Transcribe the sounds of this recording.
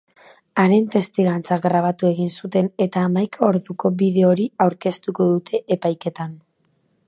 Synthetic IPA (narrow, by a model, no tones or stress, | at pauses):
aɾent̪e̞st̪iɣant͡saɡɾaβ̞at̪ue̞ɣinsut̪e̞ne̞t̪aːmajkʰaoɾðuko̞βiðe̞o̞ɾiawɾke̞st̪uko̞ðut̪ʰe̞ʔepajke̞t̪an